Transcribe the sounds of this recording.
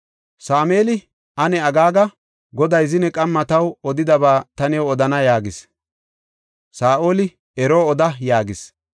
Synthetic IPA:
saːmeːlɪ | ʔɐnɛɐɡaːɡɐ | ɡɔd̪ɐjzɪnɛkʼɐmːɐt̪ɐwɔd̪ɪd̪ɐbaːt̪ɐnɛwɔd̪ɐnɐjaːɡɪs | saːʔo̞ːlɪ | ɛɾoːɔd̪ɐjaːɡɪs

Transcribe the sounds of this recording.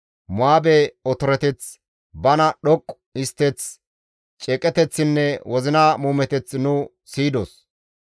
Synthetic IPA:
mʊaːbɛɔt̪ɔɾɛt̪ɛt͡s | bɐnɐɗɔkʼː | ɪst̪ːɛt͡s | t͡ʃʼɛkʼɛt̪ɛt͡sːɪnːɛwɔzɪnaːmuːmɛt̪ɛt͡snʊ | siːd̪o̰ːs

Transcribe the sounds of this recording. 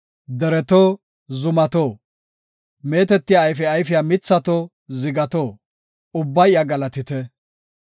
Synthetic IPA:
d̪ɛɾɛt̪oː | zʊmɐt̪oː | me̞ːt̪ɛt̪ːɪjaːjfɛɐjfɪjaːmɪt͡sːɐt̪oː | zɪɡɐt̪oː | ʊbːɐjaɡɐlɐt̪ɪt̪ɛ

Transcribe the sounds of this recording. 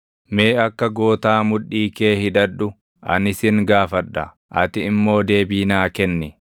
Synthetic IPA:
meːɐkːɐɡo̞ːt̪aːmʊᶑːiːkeːhɪᶑ̪ɐᶑʊ | ʔɐ̰nɪsɪŋɡaːfɐᶑːɐ | ʔɐt̪ɪɪmːo̞ːd̪e̞ːbiːnaːkɛnːɪ

